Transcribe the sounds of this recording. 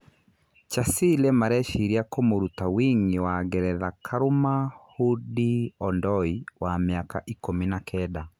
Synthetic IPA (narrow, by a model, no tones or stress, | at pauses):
t͡ʃasilɛmaɾɛʃiɾiakomoɾutawiŋɡewaɣɛɾɛðakʰaɾomahudiɔndɔiwameaka̰ʔikominakʰɛda